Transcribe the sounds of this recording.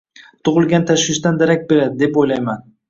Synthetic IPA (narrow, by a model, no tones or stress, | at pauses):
t̪ʰʊʁɨlˠɡʲant̪ʰaʃwɪʃd̪and̪aɾak̚ʲbe̞ɾad̪ɪd̪e̞pojlajman